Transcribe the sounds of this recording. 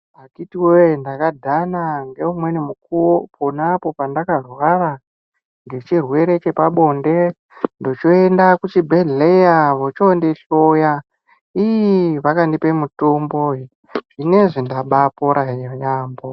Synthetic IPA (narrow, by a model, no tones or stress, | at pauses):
akitiwendakadʱanaŋɡe̞umwe̞nimukuwopʰonapo̞pandakarwara | ŋɡe̞t͡ʃirwe̞ɾe̞t͡ʃe̞paɓo̞nde̞ | ndo̞t͡ʃoendakut͡ʃibʱeɮejaʋot͡ʃondeɬoja | ijiʋakandipe̞mutomboi | ʐ̥ine̞ʐindaɓapoɾʔajaːmbo